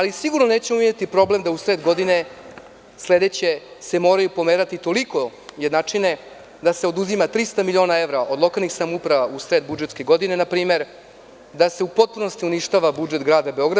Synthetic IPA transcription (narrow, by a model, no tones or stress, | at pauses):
alisiɡuɾnone̞ːt͡ɕemumjet̪ipɾo̞ble̞md̪ausɾe̞ːd̪ɡo̞d̪ine̞ | sle̞d̪et͡ɕe̞se̞mo̞ːɾajupo̞meːɾat̪it̪o̞liko̞jed̪naːt͡ʂine | d̪ase̞o̞d̪uzimat̪ɾist̪amilio̞ːnae̞ʋɾaʔo̞d̪lo̞kalˠnixsamupɾaʋausɾe̞ːd̪̚bud͡ʒet̪ske̞ɡo̞d̪ine̞napɾiːme̞ɾ | d̪ase̞upo̞t̪̚puno̞st̪iuniʃt̪aʋabud͡ʒet̪ɡɾaːd̪abeo̞ɡɾa